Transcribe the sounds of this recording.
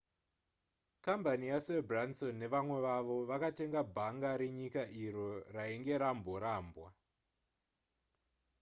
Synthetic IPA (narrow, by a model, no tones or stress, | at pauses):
kambanijasebransonːe̞ʋamwe̞ʋaʋo̞ʋakate̞ŋɡabʱaŋɡaɾeɲikaʔiɾo̞raeŋɡe̞ɾamboɾaːmbwa